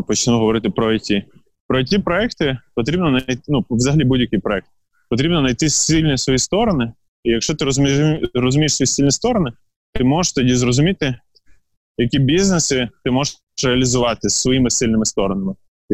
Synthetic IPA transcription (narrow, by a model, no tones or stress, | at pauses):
pɔt͡ʃnuɦɔʋɔɾɪt̪ɪpɾɔtʲi | pɾɔtʲipɾɔɛkt̪ɪpɔt̪ɾʲibnɔnɐjt̪ɪnuʋzɐɦɐlʲibudʲjɐkʲijpɾɔɛk̚t̪̚ɪ | pɔt̪ɾʲibnɔnɐjt̪ɪsilʲnʲisʋɔjist̪ɔɾɔnɪ | ijɐkʃt͡ʃɔt̪ɪɾɔzmʲirɔzʊmʲijɪʃsʋɔjisilʲnʲist̪ɔɾɔnɪ | t̪ɪmɔʃt̪ɔdʲizɾɔzʊmʲit̪ɪ | jɐkʲibʲiznesɪt̪ɪmɔʒ | reɐlʲizʊʋɑt̪ɪsʋɔjimɪsɪlʲnɪmɪst̪ɔɾɔnɐmɪ